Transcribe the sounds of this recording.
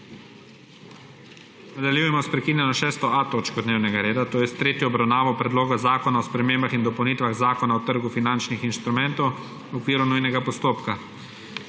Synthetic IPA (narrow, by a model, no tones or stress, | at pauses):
nad̪aljuːjɛmɔspɾɛkiːnjɛnɔʃɛːst̪ɔat̪oːt͡ʃkɔd̪neːwnɛɡaɾeːd̪at̪oːjɛst̪ɾeːt̪jɔːbɾawnaːʋɔpɾɛd̪loːɡazaːkɔnaɔspɾɛmeːmbaxind̪ɔpɐwnit̪ʋaɣzaːkɔnaɔt̪əɾɡufinant͡ʃnixinʃt̪ɾumɛ̃nt̪ɔw | ɔkʋiːɾunujnɛɡapɔst̪oːpka